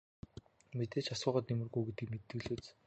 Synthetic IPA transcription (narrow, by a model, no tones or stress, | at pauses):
met̪eːt͡ɕasʊːʁə̆t̪nemɘ̆rɣujɡet̪ĭkmet̪ːɘ̆ɮɘ̆ːt͡s